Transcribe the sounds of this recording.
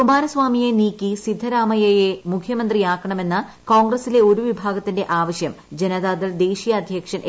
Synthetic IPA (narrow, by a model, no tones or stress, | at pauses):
umaːnɐsʋaːmijeniːkʲːisid̪ʱːɐɾaːmɐjɐjemukʰjɐmɐnd̪rijaːkːɐɳɐme̞nːɨ | ko̞ːŋɡrɐsile̞o̞ɾuʋibʱaːɡɐt̪ːinde̞ʔaːʋɐɕjɐm | d͡ʑe̞nɐðaːðɐld̪e̞ːɕijɐːd̪ʱjɐkʂɐnʔ